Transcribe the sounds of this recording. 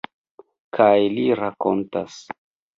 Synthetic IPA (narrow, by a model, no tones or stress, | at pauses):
kʰajliɾako̞̰nta̰s